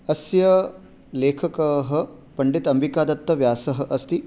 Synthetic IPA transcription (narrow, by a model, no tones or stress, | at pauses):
ɐsjɐ | leːkʰɐkɐɦɐ̆pɐɳɖit̪ɐmbikaːd̪ɐt̪ːɐʋjaːsɐɦɐ̆ʔɐst̪i